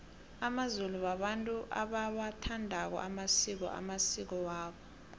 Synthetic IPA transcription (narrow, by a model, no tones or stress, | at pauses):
amazuluwaɓantʼuʔa̰ɓawatʰandʱak̬ɔ̰ʔamasik̬ɔ̰ʔa̰masik̬ɔwaːɓɔ